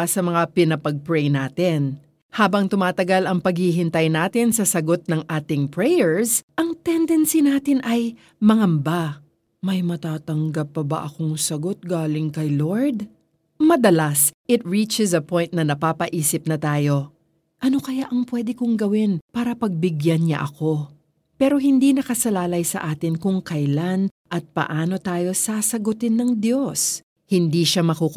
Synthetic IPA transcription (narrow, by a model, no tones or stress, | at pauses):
sɐmɐŋapɪnɐpɐɡ̚pɹɛjnaːt̪ɪn | haːbɐŋt̪ʊmaːt̪ɐɡalɐŋpɐɡhiɦɪnt̪ɐjnaːt̪ɪnsɐsɐɡo̞t̪̚nɐŋʔaːt̪ɪŋpɹɛjɛɹsʔɐŋt̪ɛnd̪ɛnsinaːt̪ɪnʔɐj | mɐŋɐmba | mɐjmɐt̪aːt̪ɐŋɡɐpːɐbɐ̰ʔɐko̞ŋsɐɡo̞t̪̚ɡaːlɪŋkɐjloɹd̪ | mɐd̪ɐlasʔɪt̪̚ɹit͡ʃɛsɐpojnt̪̚nɐnɐpaːpɐʔiːsɪp̚nɐt̪aːjo̞ | ʔɐno̞kɐjaʔɐŋpwɛːd̪ɪkoŋɡɐwɪnpaːɾɐpɐɡ̚bɪɡjanɲɐ̰ʔɐko̞ | pɛɾoɦɪnd̪inɐkɐsɐlaːlɐjsɐ̰ʔaːt̪ɪnkʊŋkɐjlanʔɐt̪̚pɐ̰ʔaːno̞t̪aːjo̞saːsɐɡʊt̪ɪnːɐŋd̪jo̞s | hɪnd̪iʃamɐkuk